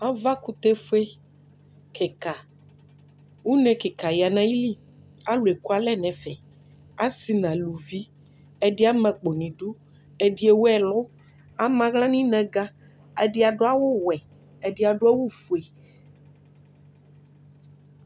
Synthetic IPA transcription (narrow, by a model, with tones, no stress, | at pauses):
ã˦va˦ku˦t̪e˦fe˦ | ke˨ka˨ | wu˦nɛ̃˨ke˨ka˨ja˨nã˨˦ji˦li˦ | a˦lu˨e˨ku˦a˨lɛ˦nɛ̃˨fɛ˨ | a˦si˨nã˨lu˨vi˦ | ɛ˦di˦a˦mɛ̃˨k͡po˨nĩ˨ɖu˦ | e˨di˦e˨wo˦ɛ˨lʊ˦ | a˦mã˦ɣlã˦nĩ˦nɛ̃˨ɡa˦ | a˨di˦a˨ɖo˦a˦wʊ˦wɛ˨ | ɛ˨di˦a˨ɖo˦a˦wo˦fu˨e˨